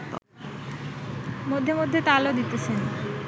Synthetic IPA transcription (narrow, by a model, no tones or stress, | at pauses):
mod̪ʱːemod̪ʱːet̪alod̪it̪et͡ɕʰen